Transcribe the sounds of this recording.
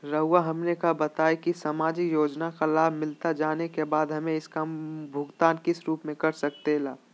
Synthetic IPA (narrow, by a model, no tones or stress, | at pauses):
ɾəɦʊwaɦɐmnekabɐt̪aːekisɐmaːd͡ʒijoːd͡ʒnakalaːbʱmɪlt̪ad͡ʒaːnekebaːd̪ɦɐmẽɪskambʱʊɡt̪aːnkɪsɾuːpmẽkɐɾsɐk̚t̪elaːb